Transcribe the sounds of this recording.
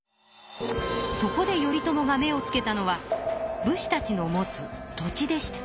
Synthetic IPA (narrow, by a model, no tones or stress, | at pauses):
so̞ko̞d̪e̞jo̞ɾʲit̪o̞mo̞ɡame̞o̞t͡sɨ̥ke̞t̪ano̞βabɯ̟ɕi̥t̪at͡ɕino̞mo̞t͡sɨt̪o̞t͡ɕid̪e̞ɕi̥t̪ḁ